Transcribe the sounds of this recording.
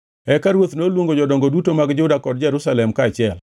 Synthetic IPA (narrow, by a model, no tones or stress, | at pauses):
ɛkaɾwot̪nolwoŋɡod͡ʒɔdɔŋɡodutomaɡd͡ʒʊdakɔd̚d͡ʒɛɾʊsalɛmkaːt͡ʃɪɛl